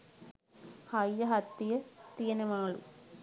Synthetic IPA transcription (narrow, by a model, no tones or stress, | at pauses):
hɐjːɐɦɐt̪ːijɐt̪ijɐnemaːɭṵ